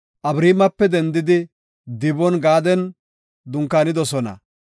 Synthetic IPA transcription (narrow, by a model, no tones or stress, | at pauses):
ʔɐbɾiːmɐpːɛd̪ɛnd̪ɪd̪ɪ | d̪ɪbɔnɡaːd̪ɛn | d̪ʊŋkːaːnɪd̪ɔsɔnɐ̰